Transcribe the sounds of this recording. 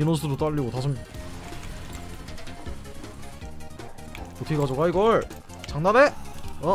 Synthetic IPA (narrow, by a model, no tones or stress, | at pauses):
inons̬ʰuɾot͈aʎːiɡotasʰɯm | otkʰeɡad͡ʑoɡaiɡʌɭ | t͡ɕaŋnaneʌ